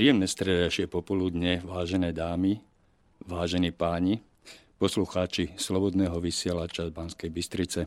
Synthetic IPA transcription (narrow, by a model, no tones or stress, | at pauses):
pɾijɛmnɛst̪ɾɛd̪aʃɪɛpɔpɔlud̪ɲɛʋaːʒɛnɛːd̪aːmi | ʋaːʒɛniːpaːɲi | pɔsluxaːt͡ʃislɔbɔd̪nɛːɦɔʋisɪɛlat͡ʃabanskɛjbist̪ɾit͡sɛ